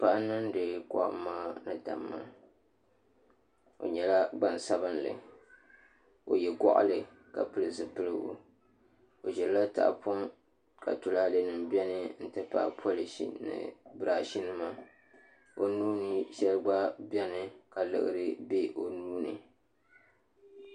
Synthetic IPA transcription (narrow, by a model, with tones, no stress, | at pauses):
pa˦ʔnɨ˦n˦de˨˦kɔ̰˦˨ʔmaː˦nɨ˦da̰˨mːa̰˦ | o̰˨ɲɛ˨la˦ɡ͡ba˨n˨sa˦bɨ˦nlɨ̰˨ | o̰˨jɛ˨ɡɔ̰˦ʔlɨ˨ | ka̰˨pɨ˦lɨ˨zɨ˨pɨ˦lɨ˦ʔo̰˦ | o˨ʒɛ˨lla˦ta̰˨ʔpʰo˦ŋ | ka̰˨tu˨la˦dɨ˨nɨ˨mbɛ˦nɨ˦n̩˦tɨ˦pa̰˦˨pʰo˦li˨ʃḭ˦nɨ̰˨bɨ˦ɾaː˨ʃi˦nɨ˦ma˦ | o˦nuː˦nɨ˦ʃɛ˦lɡ͡ba˦bɛ˦nɨ˨ka˨lɨ̰˨ʔɨ̰˦ɾɨ˦be˦ʔo˦nuː˦nɨ̰˨